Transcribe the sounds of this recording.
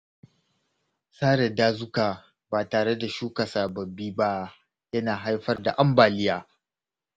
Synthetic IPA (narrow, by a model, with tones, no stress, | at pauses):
saː˦ɽɛ˨daː˦zʊ˦kaː˨ | baː˨taː˨ɽe˦da˨ʃuː˦kɐ˨saː˨bɐ˨bːiː˦ba˦ | jɐ˦naː˨ɦa˦jɸɐ˦rda˨ʔa˦mbaː˨lɪ˦jaː˦